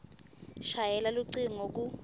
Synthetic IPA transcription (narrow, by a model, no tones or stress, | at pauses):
ʃajɛlaluǀiŋ̩oku